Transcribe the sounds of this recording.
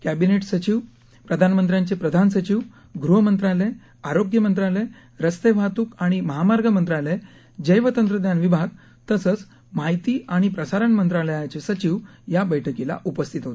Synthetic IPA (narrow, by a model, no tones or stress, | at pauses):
kæbineʈsət͡ɕiʋ | pɾəd̪ʱanmənt̪ɾjaɲt͡ɕepɾəd̪ʱansət͡ɕiʋ | ɡɾuɦəmənt̪ɾale | aɾoɡjəmənt̪ɾale | ɾəst̪eʋ̤ʱat̪ukaɽ̃iməɦamaɾɡəmənt̪ɾale | d͡ʑəjʋət̪ənt̪ɾəd̪janʋibʱaɡ | t̪əsət͡s | maɦjt̪iːaɽ̃ipɾəsaɾəɳmənt̪ɾaləjat͡ɕesət͡ɕiʋ | jabəjʈʰəkila̰ʔupəst̪ʰit̪ɦot̪e